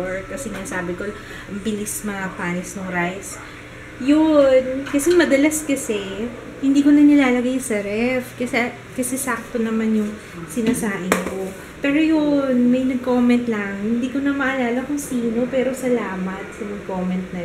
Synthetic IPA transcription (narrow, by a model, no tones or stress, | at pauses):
ɹkɐsɛŋasaːbɪkol | ɐbɪlismɐŋapaːnɪsnʊŋɾajs | jonkɐsɛmɐd̪ɐlɐskɐsɛ | hɪnd̪iːko̞nɐnɪlaːlɐɡajsɐɾɛfkɐsɛ | kɐsɛsak̚t̪onɐmanjʊŋ | sɪnaːsaːʔɪŋko̞ | pɛːɾojonmɐjnɐɡ̚ko̞ːmɛnt̪lɐŋhɪnd̪iːko̞nɐmɐʔɐlaːlɐkʊŋsiːno̞pɛːɾo̞sɐlaːmɐt̪̚sɐmɐɡ̚ko̞ːmɛnt̪̚nɐ